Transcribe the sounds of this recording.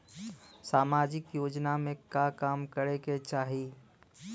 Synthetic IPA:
saːmaːd͡ʒɪkjoːd͡ʒnamẽkakaːmkəɾeket͡ʃaːɦi

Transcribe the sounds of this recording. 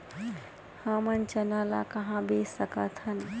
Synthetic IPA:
həmənt͡ʃənaːla̰kɐɦãbeːsəkət̪ʰhən

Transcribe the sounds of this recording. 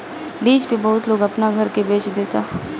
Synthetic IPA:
liːd͡ʒpebɐɦʊt̪loːɡɐpnaɡʱɐɾkebeːt͡ʃd̪eːt̪aː

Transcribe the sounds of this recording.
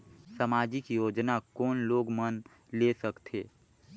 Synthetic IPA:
səmaːd͡ʒikijoːd͡ʒnakɔːnloːɡmən | lesəkt̪ʰeː

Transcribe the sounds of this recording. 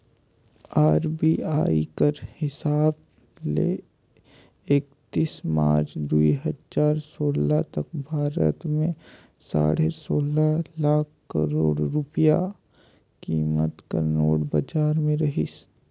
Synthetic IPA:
aːɾbiːaːikəɾhɪsaːb | lḛ | eːkt̪iːsma̰ːɾt͡ʃd̪uiɦəd͡ʒaːɾsoːlat̪ɐk̚bʱaːɾə̰t̪mẽ | sa̰ːɽesoːlalaːkʰkːəɾoːɽɾʊpija | kiːmət̪kə̰ɾnoːɽbɐd͡ʒaːɾmẽɾɐɦis

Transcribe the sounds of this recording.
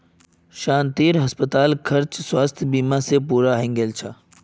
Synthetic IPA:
ʃãːnt̪iːɾɦɐspət̪aːlkʰɐɾt͡ʃswaːst̪ʰbiːmãsepuːɾaɦẽŋɡeːlt͡ʃʰaː

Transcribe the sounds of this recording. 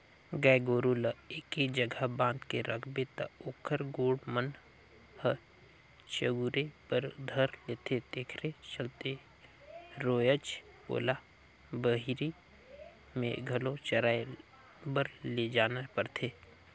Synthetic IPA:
ɡɛːɡoːɾuleːkid͡ʒəɡʱabãːnd̪keɾʔəkʰbet̪ə̰oːkʰəɾɡoːɽmən | hə | t͡ʃəɡuɾepəɾd̪ʱəɾleːt̪ʰet̪eːkʰɾet͡ʃəlt̪e | ɾoːjət͡ʃ | po̰ːla | bəɦiɾi | mẽɡʱəlõt͡ʃəɾaːe | bəɾled͡ʒaːnapəɾt̪ʰeː

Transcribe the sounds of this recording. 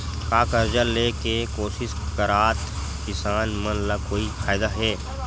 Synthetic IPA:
kaːkəɾd͡ʒəlekekoːsɪskəɾaːt̪ | kɪsaːnmənlakoːifʰaːɪd̪aɦɛː

